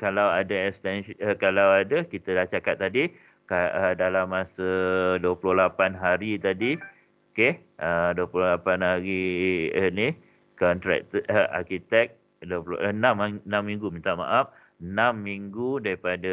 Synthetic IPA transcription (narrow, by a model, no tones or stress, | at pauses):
kalawadaɛkst̪ɛnkalawadakit̪ədaht͡ʃakat̪ːadi | kaədalamːasəduəpuluhlapanɦaɾit̪adi | oke | ʔəduəpulohlapanɦaɾiəni | kɔnt̪ɾɛ̰k̚t̪a̰kit̪ɛk̚ | duəpl̰ʔənãmnãmːĩŋɡumint̪aʔma̰ʔaf | ənãmːiŋɡudaɾipada